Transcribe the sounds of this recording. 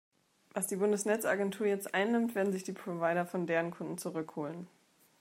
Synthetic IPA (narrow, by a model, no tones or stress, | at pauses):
vasd̥iːbʊndəsnɛt͡sʔa̰ɡɛntʰuːɐjɛt͡stʔaɪnːɪmtv̥eːɐdn̩zɪçd̥iːpʁ̥ovaɪɾɐfɔndeːʁənkʰʊndn̩t͡suʁʏkhoːlən